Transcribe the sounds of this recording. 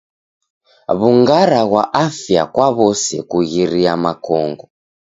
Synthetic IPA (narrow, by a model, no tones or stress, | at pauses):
βuŋɡaɾaɣwaʔafja̰kwaβɔsɛ̰kuɣiɾiamakɔŋɡɔ